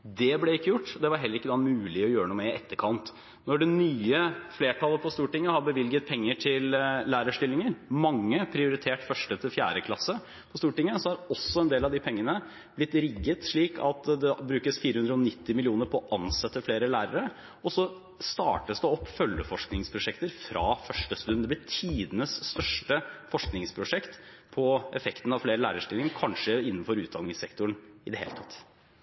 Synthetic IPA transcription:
d̪ɛblɛɪkːəjʊʈːd̪ɛʋɑɾɦɛlːəɾɪkːəd̪ɑmʉːlɪɔjøːɾənuːəɪʔɛt̪ːəkʰɑnt̪ | nɔɖɛnyːəfleːʈʰɑlːˠəpʰɔst̪uːʈɪŋːəhɑɾbəʋɪlɡət̪̚pʰɛŋːəʈʰɪlːæːɾəʂʈɪlːɪŋəɾmɑŋːəpʰɾɪʊɾɪt̪ʰeːʈfœʂʈət̪ʰɪfjæ̰ːɾəkʰlɑsə | pʰɔst̪uːʈɪŋːəsɔhɑɾɔsːɔɛnd̪eːlɑʋd̪ɪpʰɛŋːənə | b̥lɪt̪ːɾɪɡːət̪ʂɭiːkʰɑt̪d̪ɛbɾʉːkəsfiːɾəhʉnd̪ɾəɔnɪt̪ːɪmɪlɪuːnəɾpʰɔɔʔɑnsɛt̪ːəfleːɾəlæːɾəɾə | ɔsɔ | st̪ɑ̰ːʈəsd̪ɛɔpːfœljəfɔʂknɪŋspʰɾʊʂɛkt̪əɾfɾɑ̰ːfœʂʈəst̪ʉn̩d̪ɛblɪt̪ʰiːd̪ənəsst̪œʂʈəfɔʂknɪŋspʰɾʊʂɛkt̪pʰɔʔɛfɛkt̪n̩ɑʋfleːɾəlæ̰ːɾəʂʈɪlɪŋəkʰɑnʂəɪnːnfɔɾʉːt̪d̪ɑlnɪŋsɛkt̪ʊɳɪd̪ɛhḛːlət̪ʰɑt̪ː

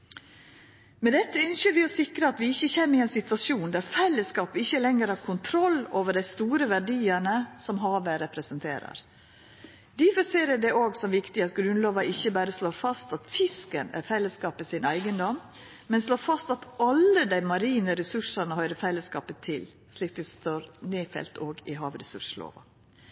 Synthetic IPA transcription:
mɛd̪ɛt̪ːəʏnçəɾʋɪɔsɪkɾəɑt̪ʋɪɪçːəçemːɪɛnsɪt̪ʋɑsjuːnd̪æɾfɛlːəskɑːpəɪçːəlɛŋəɾhɑːɾkʰʊnt̪ʰɾɔlːoːʋəɖæɪst̪uːɾəʋæɖiːəɳəsɔmɦɑːʋeːɾɛpɾɛsənt̪ʰḛːɾɑ̰ɾ | d̪iːfɔseːɾəɖɛʔoːɡsɔmʋɪkt̪ɪɑt̪̚ɡɾʉnloːʋɑɪçːəbæːɾəsloːɾfɑst̪ɑt̪fɪskənæ̰ɾfɛlːəskɑːpəsɪnæɪɡənd̪ɔm | mɛnsloːɾfɑst̪ɑt̪ɑlːəd̪æɪmɑɾiːnəɾɛsʉʂənəhœʏɾəfɛlːəskɑːpət̪ʰɪl | sliːk̚d̪ɛst̪oːɾneːfɛ̰lt̪oːɡɪɦɑːʋɾɛsʉʂlo̰ːʋɑ̰

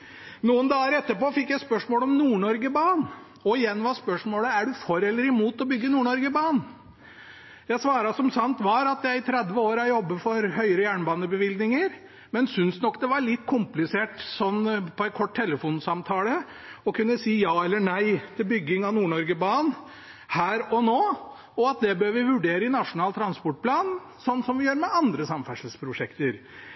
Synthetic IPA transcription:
nuːənd̪ɑːəɾɛt̪ːəpoːfɪkːjæɪspœʂmoːlɔmnuːɳɔɾɡəbɑːn | ɔɪjɛnːʋɑːspœʂmoːləæɖʉfɔɾɛlːəɾɪmuːt̪ɔbʏɡːənuːɳɔɾɡəbɑːn | jæɪsʋɑːɾɑsɔmsɑnt̪ʋɑɾɑt̪jæɪɪt̪ʰɾɛd̪ʋəoːɾɑjɔbːəfɔɾhœʏəɾəjæːɳbɑːnəbəʋɪld̪nɪŋəɾ | mɛnsʏnsnɔkːd̪ɛʋɑɾɭɪt̪ːkʰʊmplɪseːʈsɔnːpʰɔɛɪt̪̚kʰɔʈt̪ʰɛlːəfuːnsɑmt̪ʰɑːlə | ɔkʰʉnːəsiːjɑːɛlːəɳæɪt̪ʰɪlbʏɡːɪŋɑnuːɳɔɾɡəbɑːn | hæːɾɔnoː | ɔɑt̪̚d̪ɛbøːʋɪʋʉɖeːɾəɪnɑʂʊnɑːlt̪ʰɾɑnspɔʈ̚pʰlɑːn | sɔnːsɔmʋɪjøːɾmɛʔɑnd̪ɾəsɑmfæʂəl̩spʰɾʊʂɛkt̪əɾ

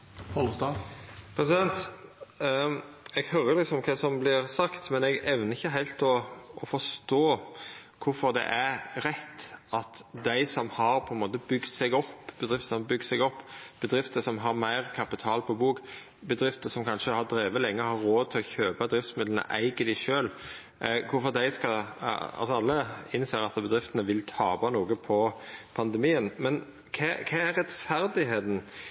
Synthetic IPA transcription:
ɔlst̪ɑpʰɾɛsɪd̪ɛnt̪ | ɛɡhœɾəɾlɪksɔmɔmkʰɑsɔmblɪɾsɑkt̪mɛnɛɡɛʋnəɪçːəɦæɪlt̪ɔːfɔʂt̪oːkʰʊfɔɾd̪ɛ̰ʔæɾɾɛt̪ːʔɑt̪d̪æɪsɔmhɑɾpʰɔɛnmoːt̪əbʏɡt̪sɛɡɔpːb̥əd̪ʁɪft̪əsɔmbʏɡ̪sɛɪɡɔpːb̥əd̪ɾɪft̪əsɔmɦɑɾmæɪʁkʰɑpɪt̪ʰɑːlpʰɔbuːk | bəd̪ɾɪft̪əsɔmkʰɑnʃəhɑd̪ɾeːʋəlɛŋːəhɑɾoːt̪ʰɪlɔçøːpɑd̪ɾɪft̪smɪd̪lənə̰ʔæ̰ɪɡəd̪æɪʃøːl | kʰʊɾfɔɾd̪æɪskɑɑ̰lsɔɑlːəɪnseːɾɑt̪bəd̪ɾɪft̪ənəʋɪlt̪ʰɑːbɑnuːɡəpʰɔpʰɑnd̪ɛmiːənmɛn | kʰɛkʰɛæɾɛt̪fæɾd̪ɪɦeːt̪n̩

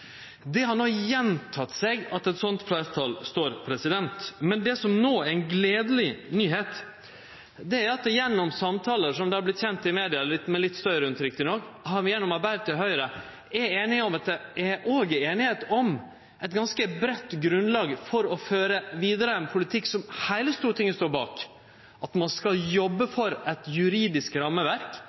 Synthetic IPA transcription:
d̪ɛhɑɳɔjɛnt̪ʰɑt̪sɛɡɑt̪ɛt̪sɔnt̪flæɾt̪ʰɑːlst̪oːɾpʰɾɛsɪd̪ɛnt̪mɛnd̪ɛsɔmnoːæɪnɡleːd̪əlɪnyːɦeːt̪ | d̪ɛæɾɑt̪jɛnːɔmsɑmt̪ʰɑːləʂɔmd̪ɛhɑɾblɪt̪çɛnt̪ɪmeːd̪ɪɑlɪt̪ːmɛlɪt̪ːst̪œɾɾəʉnt̪ɾɪk̚t̪ɪnoːɡhɑɾmɪjɛnːɔmɑɾbæɪʋt̪ʰɪlɦœʏɾə | æɾeːnɪŋɔmɑt̪̚d̪ɛæoːɡəeːnɪheːt̪ɔm | ɛɪt̪ɡɑnskəbɾɛt̪ːɡɾʉnlɑːɡfɔɾɔføːɾəʋiːd̪əɾəɛnpʰʊlɪt̪ʰɪkːsɔmhæɪləst̪uːɾət̪ʰɪŋːəst̪oːɾbɑ̰ːk | ɑt̪mɑnskɑljɔbːəfɔɾɛt̪jʉɾiːd̪ɪskɾɑmːəʋæɾk

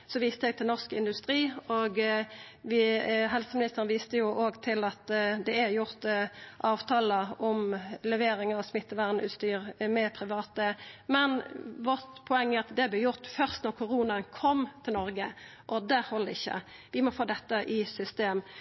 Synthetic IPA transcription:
sɔʋiːst̪əɛɡ̚t̪ʰɪlnɔʁskɪnd̪ʉst̪ɾiːɔɡ | ʋɪɦɛlsəmɪnɪst̪əʁənʋiːst̪əjʊʔoːɡt̪ʰɪlɑt̪d̪ɛæɾjʊɾt̪ʔɑːʋt̪ʰɑːləʔɔmlɛʋeːɾɪŋɑsmɪt̪ːəʋæʁnʉ̰ːt̪st̪yːʁmɛpʰʁɪʋɑːt̪əmɛnʋɔt̪pʰʊɛŋːæɾɑt̪d̪ɛblɛjʊʁt̪fœʁst̪nɔʁkʰʊʁuːnəənkʰɔmt̪ʰɪlnɔɾɡəʔɔd̪ɛhɔləɪçːə̰ʋɪmɔfoːd̪ɛt̪ːəʔɪsʏst̪eːm

